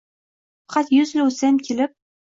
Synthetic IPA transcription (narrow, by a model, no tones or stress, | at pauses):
fɑ̥qɑt̪jʊzlʊsamkʲʰelɪp̚